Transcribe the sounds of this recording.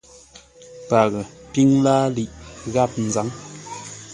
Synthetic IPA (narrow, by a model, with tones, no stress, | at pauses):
pa˨ɣə˨pi˦ŋlaː˦li˨ʔɣa˦˨p̚n̩˨za˨˦ŋ